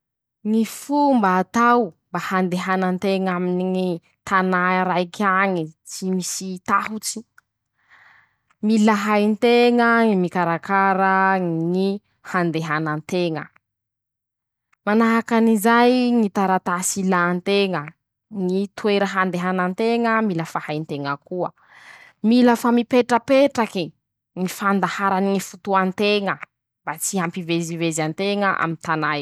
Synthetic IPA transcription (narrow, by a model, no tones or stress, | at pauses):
ŋifumbaːt̪awmbahand̪eɦanant̪eŋaminiŋi | t̪anaɾajkaŋit͡simisit̪aɦut͡si̥ | milaɦajnt̪eŋəŋimikaɾakaɾəŋi | hand̪eɦanant̪eŋə̰ | manaɦakanizajŋit̪aɾat̪asilaːnt̪eŋə | ŋit̪weɾəɦand̪eɦanant̪eŋəmiləfahajnt̪eŋəkuə̰ | miləfamipeʈ͡ʂəpeʈ͡ʂaki | ŋifand̪ahaɾanŋifut̪uant̪eŋə | bat͡siɦampivezivezant̪eŋəʔa̰mint̪anaj